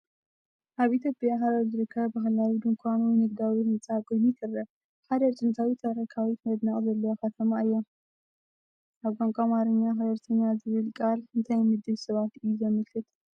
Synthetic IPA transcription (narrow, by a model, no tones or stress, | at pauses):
ʔaβit̪ʰjo̞pʼjaɦaɾɐzɨɾɨkʰːɐβbaɦlawid̪ɨŋkʰʷanunɨɡd̪awimɨt͡sʼakʼojnik̪ʰɨrɐ | ħad̪ɐt͡ʃʼɨnt̪ʰawit̪ʰɐɾɐkʰawit̪mɐd̪naχʼzɐlːɐwokɐt̪ʰɐmaɨjːo̞ | ʔaβkʷʼaŋkʼamaɾɨɲːaxɐd̪ɐɾt̪ʰɐɲːazɨβɨlkʼalɨnt̪ʰɐjmɨd̪ɨβsɐβat̪ʔɨjːuzɐmɨlkʰɨt̪